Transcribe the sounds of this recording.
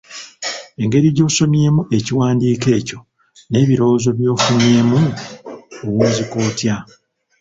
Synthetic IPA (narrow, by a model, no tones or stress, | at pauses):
e̞ŋɡe̞ɾiɟo̞ːso̞mje̞ːmuʔe̞ciwaːndiːke̞ːco̞ | ne̞ːβiɾo̞ːzo̞βjo̞ːfunje̞ːmu | owuːnzikoːtja